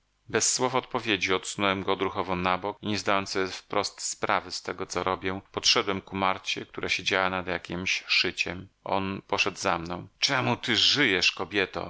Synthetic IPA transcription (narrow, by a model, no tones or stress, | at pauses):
bɛsːwɔfɔt̪̚pɔvʲjed͡ʑiɔt̪sunɔwɛmɡɔːd̪ɾuxɔvɔnabɔkiɲɛzd̪ajɔnt̪sjɛfpɾʔɔst̪spɾavɘst̪ɛɡɔt̪sɔɾɔbʲjɛ̃pɔtʂɛd̪wɛmkumaɾt͡ɕɛkt̪uɾaɕed͡ʑawanad̪ja̰kʲimɕʂɘt͡ɕɛmʔɔ̰npɔʂɛd̪zamnɔ̃w̃t͡ʂɛmut̪ɘʐɘjɛʂkɔbʲjɛt̪ɔ̰